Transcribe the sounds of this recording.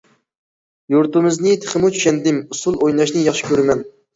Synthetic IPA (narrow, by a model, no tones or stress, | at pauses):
juɾt̪umɪznɪt̪ʰe̥χɪmut͡ʃʰy̥ʃɛnd̪ɪmusulˠojnɑʃnɨjɑχʃi̥kʲøɾɪmɛn